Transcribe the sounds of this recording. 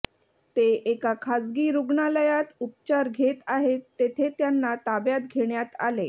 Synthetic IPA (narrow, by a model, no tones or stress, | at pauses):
t̪eʔekakʰad͡zɡiːɾuɡɳaləjat̪up̚t͡ɕaɾɡʱet̪aɦet̪ːet̪ʰet̪janːat̪abjat̪ɡʱeɳjat̪a̰le